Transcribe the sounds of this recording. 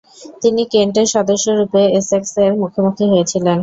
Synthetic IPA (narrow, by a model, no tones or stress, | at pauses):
t̪inikeɳʈ̬eɾʃɔd̪oʃːoɾupeesekseɾmukʰomukʰɾiɦojet͡ɕʰilen